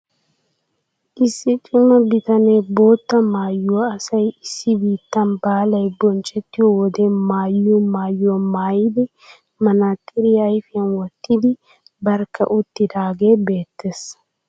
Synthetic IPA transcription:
ʔɪsːɪt͡ʃʼʊmɐbɪt̪ɐneːbo̞ːt̪ːɐmaːjːuɐsɐjɪsːɪbiːt̪ːɐnbaːlɐjbɔnt͡ʃʼɛt̪ːɪwɔwɔd̪eːmaːjːuːmaːjːomaːjɪd̪ɪ | mɐnaːt̪ʼːɪɾɪjɐjfɪjɐnwɔt̪ːɪd̪ɪ | bɐɾkɐ̰ʔʊt̪ːɪd̪aːɡe̞ːbeːt̪ːes

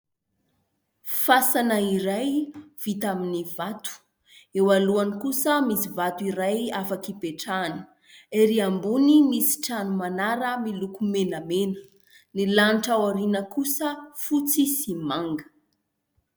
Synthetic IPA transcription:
fasanəiɾajv̥it̪aminivat̪u̥ | ewaluanikusəmisivat̪uiɾajafakipeʈ͡ʂani̥ | eɾiambunimisi̥ʈ͡ʂanumanaɾəmilukumenamenə̥ | nilanʈ͡ʂawaɾinəkusəfut͡sisimaŋɡə

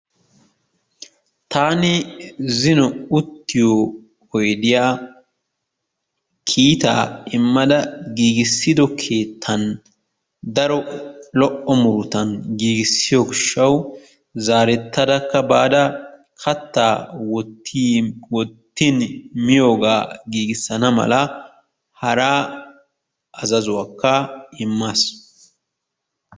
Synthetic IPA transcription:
t̪ʰaːnɪzɪnɔʊt̪ːɪjoː | ɔjd̪ɪjaː | kʰiːt̪a̰ːɪmːɐd̪ɐɡiːɡɪsːɪd̪ɔkʰe̞ːt̪ʰːɐn | d̪ɐɾɔlɔʔɔmʊɾʊt̪ɐnɡiːɡɪsːɪjoːɡɪʃːɐw | zaːɾɛt̪ːɐd̪ɐkːɐbaːd̪ɐ | kʰɐt̪ːaːwɔt̪ːiwɔt̪ːɪnmɪjo̞ːɡaːɡiːɡɪsːɐnɐmɐ̰lɐ | hɐɾaː | ɐzɐzʊwaːkːɐɪmːas

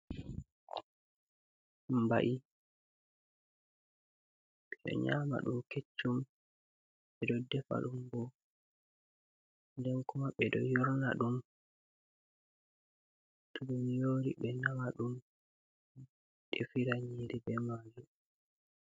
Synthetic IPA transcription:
mba̰ʔi | ɓɛɗɔ̰ɲaːma̰ɗumket͡ʃːum | ɓɛdɔdɛfa̰ɗumbɔ | ndɛnkɔmaɓɛdɔ̰jɔɾnaɗum | tuɗumjoːɾiɓɛnamaɗum | ɗɛfiɾaɲiɾibɛmad͡ʒu

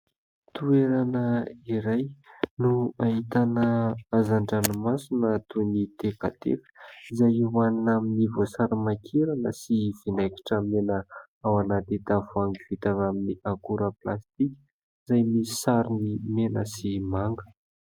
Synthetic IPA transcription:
t̪ueɾanəiɾajnuaɦit̪anəazaɳɖ͡ʐanmasinət̪unit̪ekat̪ḛfə̥izajiwannaminivosaɾamakʰeɾanəsiv̥inajki̥ʈ͡ʂəmenə | awanat̪it̪avuaŋɡivit̪avaminiakuɾəplast̪ikʲə̥ | izajmisi̥saɾinimenəsimaŋɡə̥

